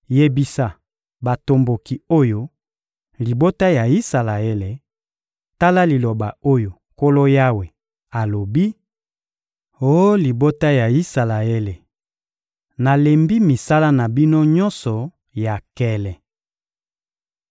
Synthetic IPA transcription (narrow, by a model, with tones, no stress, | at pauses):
je˨bi˨sa˨ | ba˨to˨mbo˨ki˨o˦jo˦ | li˨bo˦ta˦ja˨i˦sa˨la˨e˦le˨ | ta˦la˦li˨lo˨ba˨o˦jo˨ | ko˦lo˦ja˦we˨ | a˨lo˨bi˦ | o˦li˨bo˦ta˦ja˨i˦sa˨la˨e˦le˨ | na˨le˨mbi˦mi˨sa˦la˦na˨bi˦no˦ɲɔ˦nsɔ˨ | ja˨kɛ˦lɛ˨